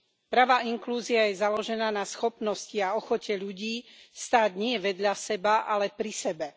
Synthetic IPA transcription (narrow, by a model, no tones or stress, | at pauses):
pɾaʋaːiŋkluːziajɛzalɔʒɛnaːnasxɔpnɔsciaɔxɔcɛʎuɟiːst̪aːɟɲɪɛʋɛd̪ʎasɛbaʔalɛpɾisɛbɛ